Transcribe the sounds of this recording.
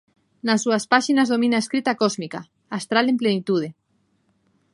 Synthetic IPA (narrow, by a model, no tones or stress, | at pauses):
nasuaspaʃinazðomĩnaeskɾit̪akozmika | ast̪ɾalemplenit̪uð̞e